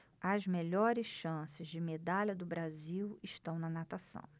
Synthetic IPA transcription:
ɐzmeʎɔɾɪsʃɐ̃sɪzd͡ʒɪmed̪aʎɐd̪ʊbɾaziwɪʃt̪ɐ̃w̃nɐnat̪asɐ̰̃w̃

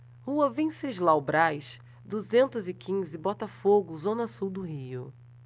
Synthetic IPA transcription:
huɐvẽseʒlawbɾajʃ | d̪uzẽnt̪ʊzɪkʰĩzɪbɔt̪ɐfoɡʊzõnɐsuwd̪ʊɦiʊ̰

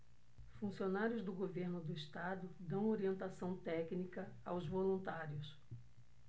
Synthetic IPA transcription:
fũsionaɾjʊzd̪ʊɡoveɾnʊd̪ʊist̪ad̪ʊd̪ɐ̃w̃oɾiẽnt̪asɐ̃w̃t̪ɛknikɐawzvolũnt̪aɾjʊs

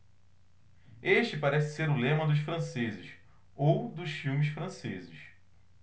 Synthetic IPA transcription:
eʃt͡ʃɪpaɾɛsɪ̥seɾʊlẽmɐd̪ʊʃfɾɐ̃sezɪʃ | owd̪ʊʃfiwmɪʃfɾɐ̃sezɪʃ

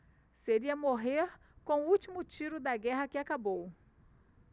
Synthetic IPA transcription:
seɾiɐmoɦeɾ | kõw̃ʊut͡ʃimʊt͡ʃiɾʊd̪ɐɡɛɦɐkɪakabow

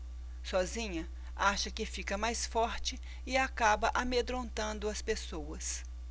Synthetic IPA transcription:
sɔzĩɲɐ | aʃɐkɪfikɐmajsfɔɾt͡ʃɪ | ɪakabɐʔamed̪ɾõnt̪ɐ̃nd̪ʊɐspesowɐs

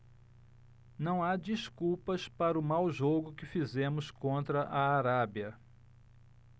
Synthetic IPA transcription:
nɐ̃w̃ad͡ʒiskuwpɐspaɾʊmawʒoɡʊkɪfizẽmʊskõnt̪ɾɐʔɐːɾabiɐ

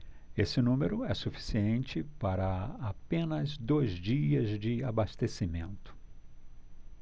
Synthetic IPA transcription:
esɪnũmeɾʊɛsufi̥siẽnt͡ʃɪpaɾɐapẽnɐzd̪ojzd͡ʒiɐzd͡ʒɪabast̪esimẽnt̪ʊ̥

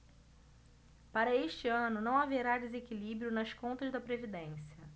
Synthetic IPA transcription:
paɾɐeʃt͡ʃɪɐ̃nʊnɐ̃w̃aveɾad̪ezekilibɾiʊnɐskõnt̪ɐzd̪ɐpɾevid̪ẽsiɐ

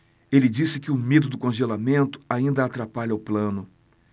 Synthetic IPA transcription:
elɪd͡ʒisɪkɪʊmed̪ʊd̪ʊkõʒelamẽnt̪ʊ̥aĩnd̪ɐːt̪ɾapaʎɐʊplɐ̃nʊ

